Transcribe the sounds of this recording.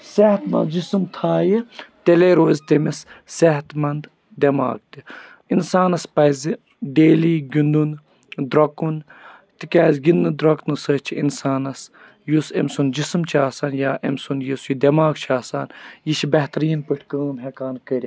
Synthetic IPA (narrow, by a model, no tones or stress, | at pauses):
seht̪mɐ̰nd̪d͡ʒisɨmt̪ʰaːjit̪eleːɾoːzʲt̪emissɛɦt̪mɐnd̪ | d̪ʲɐma̰ːk̚t̪i | insaːnɐspɐzi | ɖeːliːɡʲind̪un | d̪ɾɐkun | t̪ikʲaːzɡʲinːɨd̪ɾɐknɨsɐːt͡ʃʰiḭnsaːnɐs | jusḛmsund͡ʒisɨmt͡ʃʰiaːsaːnjaːʔḛmsunjisujid̪ʲɐmaːɡ̚t͡ʃʰaːsaːnjiʃʰibɐht̪ɐɾiːnpɨʈʰkəːmɦekaːnkəɾʲi